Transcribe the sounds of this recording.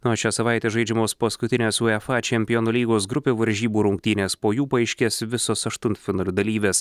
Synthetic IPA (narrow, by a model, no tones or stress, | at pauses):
noːʃʲæsɐʋɑɪt̪ʲeːʒɐɪd͡ʒʲɛmoːspɐskʊt̪ʲɪnʲeːsuɛfɑt͡ʃʲɛmʲpʲɪjonolʲiːɡoːsɡɾʊpʲeːʋɐɾʲʒʲiːbuːɾʊŋk̚t̪ʲiːnʲeːspoːjuːpɐɐɪʃʲkʲeːsʋʲɪsoːsɐʃt̪ʊnt̪fʲɪnɐːlʲʊd̪ɐlʲiːʋʲeːs